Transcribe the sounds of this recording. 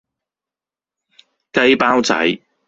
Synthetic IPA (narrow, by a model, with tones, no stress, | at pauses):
kɐ˧jpaː˥wt͡sɐ̰˨˥j